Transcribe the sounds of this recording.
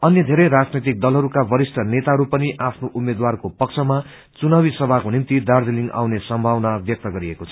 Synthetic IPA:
ʌnjʌd̪ʱeɾʌjɾad͡znet̪ik̚d̪ʌlɦʌɾukabʌɾisʈʰʌnet̪aɦʌɾupʌniʔapʰnoʔumed̪warkopʌkt͡sʰʌma | t͡sunawisʌbʱakonimt̪id̪ard͡zeliŋɡa̰wnesʌmbʱawnabjʌk̚t̪ʌɡʌɾiekot͡sʰʌ̥

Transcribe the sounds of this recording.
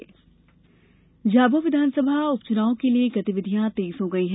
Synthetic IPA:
d͡ʒaːboʋɪd̪ʱaːnsəbʱaʊpt͡ʃʊnaːõkelieɡɐt̪ɪʋɪd̪ʱijãt̪eːsɦoːɡɐiɦɛ

